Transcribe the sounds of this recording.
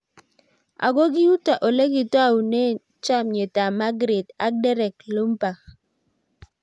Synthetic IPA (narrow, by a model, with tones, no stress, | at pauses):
a̰˨ɡo˦ɡi˦ju˦ta˨ʔo˨le˦ɡi˦twa˦˨u˨ne˦ | t͡ʃa˦mɲe˨ta˨ma˦ɡɾe˨da̰˦k̚dɛ˦ɾɛ˨klo˦m˦pa˨